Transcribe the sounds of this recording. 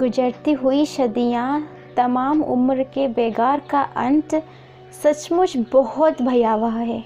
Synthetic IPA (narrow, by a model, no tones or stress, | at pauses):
ɡʊd͡ʒəɾt̪iɦuiʃɐd̪ijã | t̪ɐmaːmʊ̰mɾkebeːɡaːɾkaʔɐ̃nʈ | sɐt͡ʃmʊʃbɔɦɔt̪bʱɐjaːʋaɦɦɛː